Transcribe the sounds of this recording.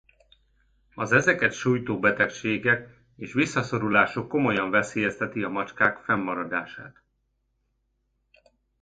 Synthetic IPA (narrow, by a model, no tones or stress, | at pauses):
ɒzɛzɛkɛt̪ʃuːjt̪oːbɛt̪ɛkʃeːɡɛk | eːʃʋisːɒso̞ɾulaːʃokːo̞mo̞jɒɱvɛseːjɛst̪ɛt̪iɒmɒt͡ʃkaːkfɛmːɒɾɒd̪aːʃa̰ːt̪